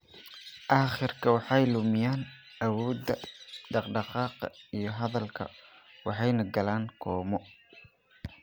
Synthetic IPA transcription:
ʔɑːχɪrkʰɐwɑħɑjlʊmɪjaːn | ʔɐwɔːd̪ɐɖɑqɖɑqɑːqɐ̰ijɞɦɐðɐlkʰɐ̰wɑħɑjnɐɡɐlaːnkʰɔːmɔ

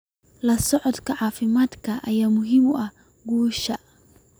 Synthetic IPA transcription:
lɐsɔʕɔd̪kʰɐʕɑːfɪmaːd̪kʰɐʔɐjaːmʊɦɪmʊʔɐh | ɡuːʃɐ

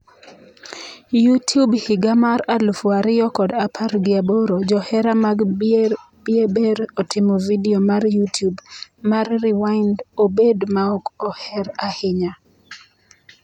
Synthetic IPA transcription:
jutjubhɪɡamaɾalʊfwaɾɪjɔkɔdapʰaɾɡɪaboɾod͡ʒɔhɛɾamaɡ | bjebeɾɔtʰɪmɔvidiomarjutjubmarrɪwandobedmaɔkɔhɛɾahɪɲa

